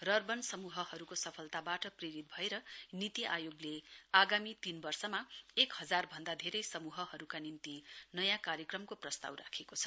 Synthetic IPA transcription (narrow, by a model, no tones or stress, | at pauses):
rʌrbʌnsʌmuɦʌhʌɾukosʌpʰʌlt̪abaʈʌpreɾit̪̚bʱʌeɾʌnit̪iʔajoɡleaɡamit̪inbʌrsʌmaekhʌd͡zarbʱʌnd̪ad̪ʱeɾʌjsʌmuɦʌɦʌɾukanint̪inʌjãkarjʌkrʌmkoprʌst̪a̰wra̰kʰekot͡sʰʌ̥